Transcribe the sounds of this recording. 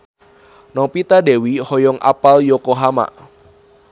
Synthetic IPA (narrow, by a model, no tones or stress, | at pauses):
nɔpit̪ade̤wihɔjɔŋʔa̰paljokoɦama̰